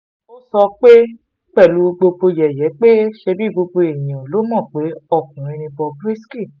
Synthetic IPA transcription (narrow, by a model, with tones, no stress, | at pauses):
o˦sɔ˧k͡pe˦ | k͡pɛ˦˨lu˨˦˧ɡ͡bo˧bo˧jɛ˨jɛ˨˦k͡pe˦ʃe˧bi˦˨bo˧bo˧e˨j̃ã˨lo˨˦mɔ̃˦˨k͡pe˨˦ɔ˦˨k̚ũ˨ɾ̃ĩ˧nĩ˧bɔ˧bɾi˦ski˦˨